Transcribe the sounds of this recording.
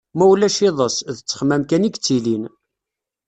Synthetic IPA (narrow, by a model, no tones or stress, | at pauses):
mæwlæʃiðˤəsðət͡sːə̥χmæmkæniɡt͡sːilin